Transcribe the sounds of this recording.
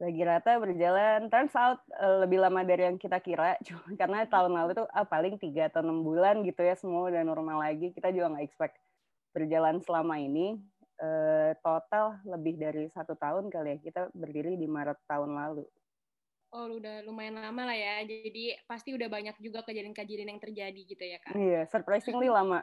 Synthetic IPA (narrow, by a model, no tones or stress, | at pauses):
laɡiɾat̪abərd͡ʒalant̪aɾansaʔat̪̚ələbɪhlamadaɾijaŋkit̪akiɾat͡ʃukarənat̪aʊnlalut̪uʔahpalɪŋt̪iɡat̪anəmbulanɡit̪ujasəmuadanɔrmalaɡikit̪ad͡ʒuɡaŋɡaɛkspɛk̚ | bərd͡ʒalansəlamaini | əːt̪ot̪alləbɪhdaɾisat̪ut̪aʊnkalijaŋkit̪abərdiɾidimaɾət̪ːaʊnlalu | ɔluudahlumaɪnlamalahjad͡ʒadipast̪iudahbaɲak̚d͡ʒuɡakad͡ʒiɾɪnkad͡ʒiɾɪnjaŋt̪ərd͡ʒadiɡit̪ujakaijasərpɾasɪŋlɪlama